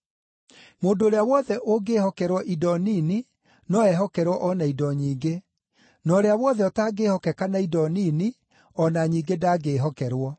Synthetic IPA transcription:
moːndoːɾeawɔðɛʔoɡehɔkɛɾwɔʔidɔnini | nɔɛɦɔkɛɾwɔʔɔnaidɔɲiːɡe | nɔːɾeawɔðɛɔtaɡehɔkɛkanaidɔnini | ɔnaɲiːɡedaɡeɦɔkɛɾwɔ

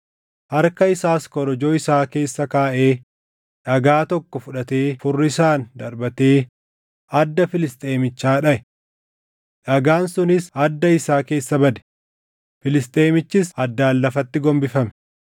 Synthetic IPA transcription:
hɐɾkɐɪsaːskɔɾɔd͡ʒo̞ːɪsaːke̞ːsːɐkaːʔeː | ᶑɐɡaːt̪ɔkːɔfʊᶑɐt̪eːfʊrːɪsaːnd̪ɐɾbɐt̪eː | ɐd̪ːɐfɪlɪst̪ʼe̞ːmɪt͡ʃːaːᶑɐʔɛ | ᶑɐɡaːnsʊnɪsɐd̪ːɐɪsaːke̞ːsːɐbɐd̪ɛ̥ | fɪlɪst̪ʼe̞ːmɪt͡ʃːɪsɐd̪ːaːlːɐfɐt̪ːɪɡɔmbɪfɐmɛ̥

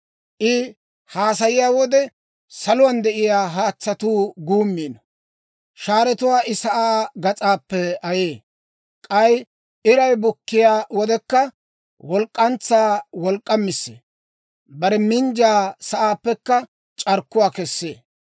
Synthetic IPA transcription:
ʔɪ | haːs̬ɐjɪjaːwɔd̪ɛ | sɐlʊwɐnd̪ɛʔɪjaːɦaːt͡sːɐt̪uːɡuːmːiːnɔ | ʃaːɾɛt̪ʊwaːʔɪsɐʔaːɡɐt͡sʼaːpːɛɐjeː | kʼɐj | ʔɪɾɐjbʊkːɪjaːwɔd̪ɛkːɐ | wɔlkʼːɐnt͡sːaːwɔlkʼːɐmːɪsːḛː | bɐɾɛmɪnd͡ʒaːsɐʔaːpːɛkːɐ | t͡ʃʼɐɾkːʊwaːkɛsːeː

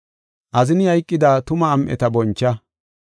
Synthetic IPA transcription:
ʔɐzɪnjɐjkʼːɪd̪aːt̪ʊmɐːmʔɛ̰t̪ɐbɔnt͡ʃːɐ

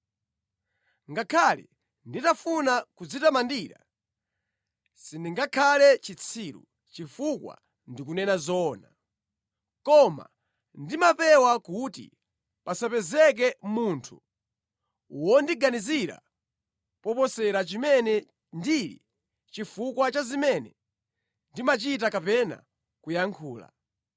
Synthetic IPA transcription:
ŋɡakʰalɛ̰ | nditafunakud͡zitamandiːɾa̰ | sindiŋɡakʰalɛt͡ʃit͡sʰiɾṵ | t͡ʃifukwa̰ | ndikunɛnazɔːna | kɔma̰ | ndimapɛwakutḭ | pasapɛzɛk̬ɛmuntʰu | uwɔndiɡaniziɾa̰ | pɔpɔsɛɾat͡ʃimɛnɛ | ndilḭ | t͡ʃifukwat͡ʃazimɛnɛ | ndimat͡ʃit̬akapɛna̰ | kujaŋkʰuːla̰

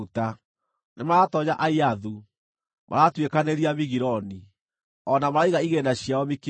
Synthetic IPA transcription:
ta | nemaɾatɔɲaʔaiaðu | mʔa̰ɾatwekaneɾiamiɣiɾɔni | ɔnamaɾaiɣaiɣenaɕjaɔmik

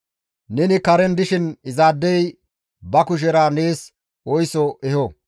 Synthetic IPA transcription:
nɛnɪkɐɾɛnd̪ɪʃɪnɪzaːd̪ːɛj | bɐkʊʃ̬ɛɾaːneːs | ɔjsɔʔɛhɔ

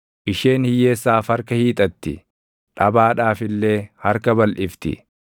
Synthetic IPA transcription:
ʔɪʃe̞ːnhɪjːe̞ːsːaːfhɐɾkɐhiːt̪ʼɐt̪ːɪ̰ | ᶑɐbaːᶑaːfɪlːe̞ːhɐɾkɐbɐlʔɪft̪ɪ̰

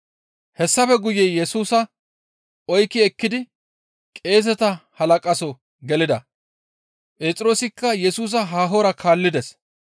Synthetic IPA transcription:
hɛsːɐfɛɡʊjːɛjɛsuːsɐ | ɔjkːɪɛkːɪd̪ɪ | kʼe̞ːz̬ɛt̪ɐhɐlɐkʼɐsɔ | ɡɛlɪd̪ɐ | pʼe̞ːt͡sʼɪɾo̞ːsɪkːɐjɛsuːs̬ɐɦaːɦoːɾɐkʰaːlːɪd̪ɛs

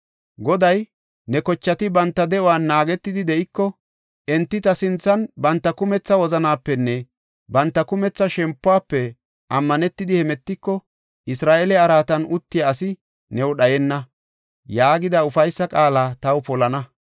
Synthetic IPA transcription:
ɡɔd̪ɐj | nɛkɔt͡ʃːɐt̪ɪbɐnt̪ːɐd̪ɛʔɔwaːnːaːɡɛt̪ːɪd̪ɪd̪ɛʔɪkːɔ | ʔɛnt̪ːɪt̪ɐsɪnt͡sːɐnbɐnt̪ːɐkʊmɛt͡sːɐwɔzɐnaːpːɛnːɛ | bɐnt̪ːɐkʊmɛt͡sːɐʃɛmpːʊaːpːɛ | ʔɐmːɐnɛt̪ːɪd̪ɪhɛmɛt̪ːɪkːɔ | ʔɪsɾaːʔɛlɛɐɾaːt̪ɐnʊt̪ːɪjaːsɪ | nɛwɗɐjɛnːɐ | jaːɡɪd̪ɐʊfɐjsːɐkʼaːlaːt̪ɐwpɔlɐnɐ

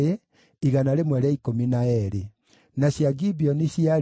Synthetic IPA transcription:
e | iɣanaɾemwɛɾɛikominaɛɾe | naɕjaɡibiɔniɕjia

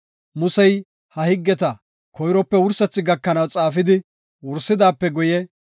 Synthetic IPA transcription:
mʊsɛj | hɐhɪɡːɛt̪ɐ | kʰɔjɾɔpːɛwʊɾsɐt͡sːɪɡɐkːɐnɐwt͡sʼaːfɪd̪ɪ | wʊɾsːɪd̪aːpːɛɡʊjɛ

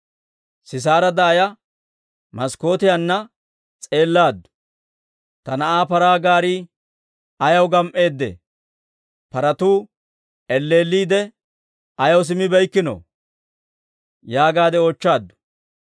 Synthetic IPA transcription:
sɪs̬aːɾɐd̪ɐːjɐ | mɐsko̞ːt̪ɪjɐnːɐ | t͡sʼe̞ːlːaːd̪ːʊ̥ | t̪ɐnɐʔaːpɐɾaːɡaːɾiː | ɐjɐwɡɐmʔe̞ːd̪ːḛ | pɐɾɐt̪uː | ɛlːe̞ːlːiːd̪ɛ | ɐjɐws̬ɪmɪbɛjkːɪno̰ː | jaːɡaːd̪ɛot͡ʃːaːd̪ːʊ̥

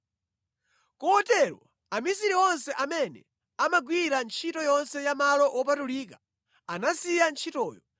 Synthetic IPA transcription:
kɔːtɛɾwɔ | amisiɾiɔnsɛʔamɛnɛ̰ | amaɡwiɾant͡ʃʰitɔjɔnsɛjamalɔʔɔp̬atuliːkḁ | anasijant͡ʃʰitɔːjɔ

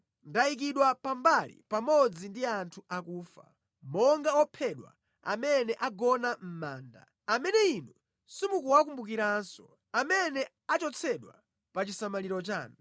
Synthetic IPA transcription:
ndaik̬iɗwapambalḭpamɔd͡zindiantʰuakuːfa̰ | mɔŋɡaɔpʰɛɗwa̰ | a̰mɛnɛʔaɡɔnam̩maːnda̰ | amɛnɛinu | simukuwakumbukiɾansɔ | amɛnɛ | at͡ʃɔt͡sʰɛɗwa̰ | pat͡ʃisamaliɾɔt͡ʃa̰ːnu

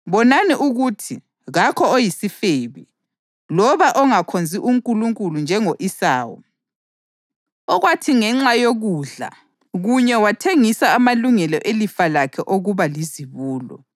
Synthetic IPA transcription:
βɔnaniʔuɣutʰi | ɣakʰɔojisifeβḭ | lɔβaʔɔŋakʰond͡zʱiʔuŋkʼuluŋkʼulund͡ʒʱɛŋoʔisaːwɔ̰ | ɔɣwatʰiŋɛŋ͡ǁajoɣuɮa̰ | ɣuɲɛwatʰeŋisaːmaluŋɛlɔʔelifalakʰɛʔoɣuβaliziβuːlɔ̰

